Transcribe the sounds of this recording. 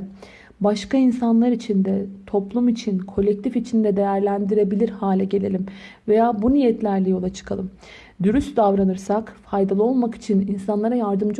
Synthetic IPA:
baʃkainsanlˠaɾit͡ʃʰind̪ɛt̪ʰo̞plˠumit͡ʃʰinkʰo̞lʲːɛc̚t̪ʰifit͡ʃʰind̪ɛd̪e̞jæɾlʲænd̪iɾe̞bilʲiɾhaːlʲɛɟe̞lʲe̞lʲimve̞jaːbunijɛt̪lʲæɾlʲɛjo̞lˠat͡ʃʰɯ̥kʰalˠɯm | d̪yɾysd̪avɾanɯɾsakfajd̪alˠɯo̞lˠmaki̥t͡ʃʰininsanlˠaɾajaɾd̪ɯmd͡ʒ

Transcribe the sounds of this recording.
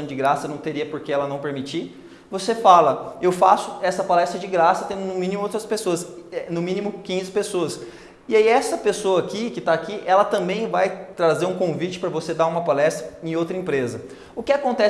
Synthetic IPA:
ɐ̃w̃d͡ʒɪɡɾasɐnɐ̃w̃t̪eɾiɐpoɾkeɛlɐnɐ̃w̃peɾmit͡ʃi | vosefalɐewfasʊ̥ɛsɐpalɛst̪ɾɐd͡ʒɪɡɾasɐt̪ẽnd̪ʊnʊ̃mĩnĩmʊowt̪ɾɐspesoɐsɛnʊmĩnimʊkĩzɪpesoɐs | ɪaiɛsɐpesoɐaːkikɪt̪aːkiʔɛlɐt̪ɐ̃mbẽj̃vajt̪ɾazeɾũkõvit͡ʃɪ̥pɾɐvosed̪aũmɐpalɛst̪ɾɐẽj̃owt̪ɾɐẽpɾezɐ | ʊkɪakõnt̪ɛ

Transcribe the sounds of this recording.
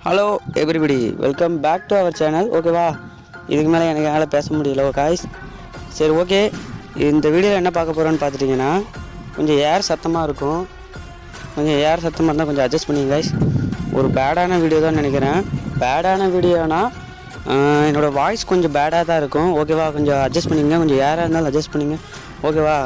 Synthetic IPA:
hɐloːɛbɾibɐɽiʋɛ̰lkɐmbaːk̚ʈuɐʋɐɾt͡ʃɛːnɐloːk̬eːʋaː | ɪ̰ðɯkːɯmeːlɐɛnɐkːɯeːlɐpeːsɐmʊɽɪjɐlɐɐɡaɪsː | ɐɾioːk̬eːɪnd̪ɐʋiːɽɪɐlɐɛnːɐpaːɾkɐpːoːɾɐ̃ːnːɯpaːɾt̪ɯʈːiːŋɡɐnːaː | kɔɲd͡ʒɔ̃eːɾsɐt̪ːɐmaːɪɾɯkːʊ̃ | kɔɲd͡ʒɔ̃eːɾsɐt̪ːɐmaːɾnãkɔɲd͡ʒɔ̃ɐd͡ʒːɐsʈpɐɳːɪjŋɐɡaːɪsɔ̰ɾɯbeːɽaːnɐʋiːɽɪjoːt̪ãːnɐnɛk̬ʲːɪɾẽːbeːɽaːnɐʋiːɽɪjoːnaː | ɛnːoːɽɐʋaːjskɔɲd͡ʒɔ̃beːɽaːt̪ãːɪɾɯkːʊ̃oːk̬eːʋaːkɔɲd͡ʒɔ̃ɐd͡ʒɐspɐɳːɪŋɡɐkɔɲd͡ʒɔ̃jaːɾaːɾɯnd̪aːlɐd͡ʒɐsʈpɐɳːiŋɡɐ | oːk̬eːʋaː

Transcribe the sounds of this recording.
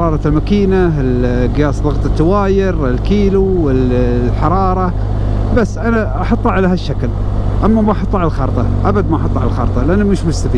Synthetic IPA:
ɾˤɑːɾˤɑlmakiːnaɪlɡjaːsðˤɑɣt̪ˤɑt̪ːawaːjɪɾɪlkiːluwɪlːħɑɾˤɑːɾˤɑ | basːʔanaʔɑħɑt̪ˤːɑʕalahaʃːakl | ʔamːamaʔɑħɑt̪ˤːʕalalxɑɾt̪ˤɑʔabad̪maʔɑħɑt̪ˤːʕalalxɑɾt̪ˤɑlʔanːumɪʃmʊst̪afiː

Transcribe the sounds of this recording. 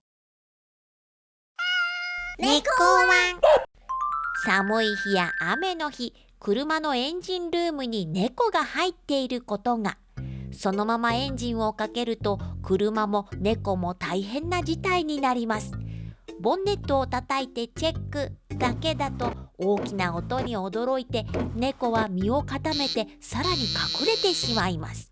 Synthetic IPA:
neoβa | samɯ̟içijaʔːme̞no̞çi | kɯ̟ɾɯ̟mano̞ẽ̞ɲ̟d͡ʑĩnɾɯːmɯ̟ɲ̟ine̞ko̞ɡahait̪ːe̞iɾɯ̟ko̞t̪o̞ŋa | so̞no̞mamaẽ̞ɲ̟d͡ʑĩɰ̃o̞kake̞ɾɯ̟t̪o̞kɯ̟ɾɯ̟mamo̞ne̞ko̞mo̞t̪aiɦẽ̞nːad͡ʑit̪aiɲ̟inaɾʲimasɨ̥bõ̞nːe̞t̪ːoːt̪at̪ait̪e̞t͡ɕe̞kːɯ̟d̪ake̞d̪at̪o̞oːkʲinao̞t̪o̞ɲ̟io̞d̪o̞ɾo̞it̪e̞ne̞ko̞βamʲio̞kat̪ame̞t̪e̞saɾaɲ̟ikakɯ̟ɾe̞t̪e̞ɕimaima̰sɨ̥

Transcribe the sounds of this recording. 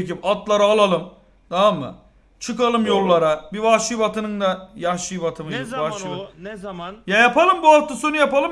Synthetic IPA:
kipat̪lˠaɾɯːlˠalˠɯm | d̪̥amːɯ̰ | t͡ʃʰɯkalˠɯmjo̞lˠːaɾabivaʃɯjbat̪ʰɯnɯnd̪ajaʃijbat̪ʰɯmɯjivaʃb | jajapalˠɯmbuaft̪ːɯsonujapalˠɯ

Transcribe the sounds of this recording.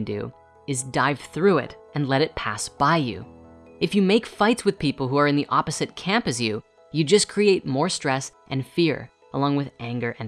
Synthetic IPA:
ndʉ̰ | ɨzdaɪv̥θɹʉɪ̰ɾɨ̃nlɛɾɨt̚pʰæ̰sb̥aɪjʉ̰ɨfjɨmeɪkfaɪtswɨð̥pipl̩ˠɦuə˞ɨ̃nðiʔɑpɨzɨt̚kʰæ̃mpɨzjʉ | jɨd͡ʒʌskʰɹ̥ieɪt̚mɔɹstɹ̥ɛsʔɨ̃nfɪɹ | əlɔ̃ŋwɨðʔæ̃ŋɡə˞ʔɨ̃n

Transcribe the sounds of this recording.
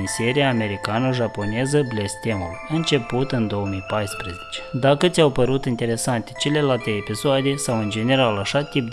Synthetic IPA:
nseɾijaːme̞ɾikanəʒapo̞nezəblest̪ʲe̞mulɨnt͡ʃe̞put̪ɨnd̪o̞wəmijpajspɾezet͡ʃe̥d̪akət̪sʲawpəɾut̪int̪e̞ɾe̞sant̪e̥t͡ʃe̞le̞lalt̪eːpisoad̪e̞sawɨnd͡ʒe̞ne̞ɾalaʃat̪ip̚d̪

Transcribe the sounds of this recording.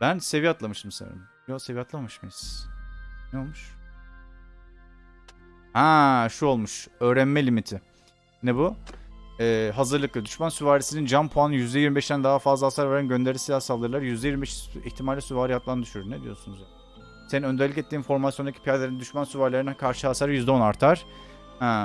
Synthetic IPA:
bænse̞vijat̪lˠamɯʃt̪msḛɾa̰ | josevijat̪lˠamamɯʃmesz̥ | nɛolˠmuʃ | hɛʃuo̞lˠmuʃø̞ːɾænmɛlʲimit̪ʰɪ | nɛbu | ɛːɦazɯɾlˠɯklˠɯd̪yʃmansyvaːɾisinind͡ʒampʰuanɯjyzd̪ɛjiɾmbeʃd̪ænd̪aɦafazlˠaasaɾvaɾanɟø̞nd̪e̞ɾisilʲasalˠd̪ɯɾlˠaɾjyzd̪ɛjiɾmbeʃiçt̪ʰimalʲisuvaːɾihak̪lˠand̪yʃyɾyɾned̪ijo̞sunuzja | seninø̞nd̪eɾlʲicet̪ʰːiːnfo̞ɾmasijond̪acʰi̥pʰijaɾlʲeɾinɛd̪yʃmansyvaɾlʲeɾinɛkʰaɾʃɯhasaɾjyzd̪ɛonaɾt̪ʰaɾ̥ | hɛ̃

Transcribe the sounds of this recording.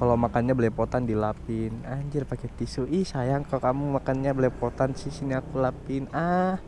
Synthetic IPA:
kalawmakanɲabəlɛpot̪andilapɪnaɲd͡ʒɪrpakɛt̪isuʔihsajaŋkakamumakanɲabəlɛpot̪ansisiniakulapɪnah

